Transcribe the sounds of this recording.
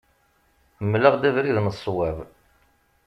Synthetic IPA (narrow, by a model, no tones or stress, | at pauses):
mləʁd̪ævɾiðnəsˤːwæv